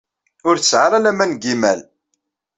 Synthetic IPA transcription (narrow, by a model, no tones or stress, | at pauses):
ʊɾsʕaɾalæmænɡimæl